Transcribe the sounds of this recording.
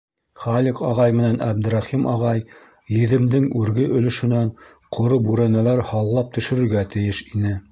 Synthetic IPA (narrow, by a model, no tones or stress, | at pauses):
χɑliqɑʁɑjmɘ̆nænʔæb̚d̪̆ɾɑχimʔɑʁɑj | jɘ̆ðɘ̆md̪ɘŋʉɾɡɘʔɵ̆lɵ̆ʃɵ̆næɴ | qʰŏɾobʉɾænælæɾhɑlˠːɑp̚t̪ɵ̆ʃɵ̆ɾɵ̆ɾɡæt̪ɘ̆jɘʃinɘ